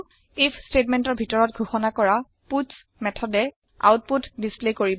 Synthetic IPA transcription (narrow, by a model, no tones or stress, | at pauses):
ipʰstetmɛntɔɹbʱitɔɹɔtɡʱuxɔnakɔɹa | pus | mɛtʰɔdɛ | a̰wt̚putdisplekoɹi